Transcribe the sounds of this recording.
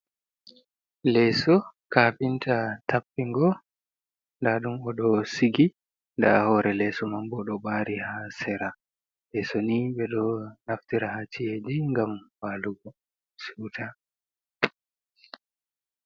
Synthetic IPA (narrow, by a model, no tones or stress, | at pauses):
lɛsɔkaːpintatʰapːiŋɡɔ | ndaɗumɔɗɔsiɡi | nda̰hɔɾɛlɛsɔmambɔɗɔɓaːɾihasɛɾa | ɓɛsoniɓɛɗɔnaftiɾahat͡ʃijed͡ʒiŋɡamwaːluɡɔ | suːtʰa